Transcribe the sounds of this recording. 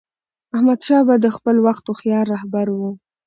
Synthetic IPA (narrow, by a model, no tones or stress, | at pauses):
ahmad̪ʃɑbad̪əxpəlwaxt̪oxjɑɾːɑhbaɾwu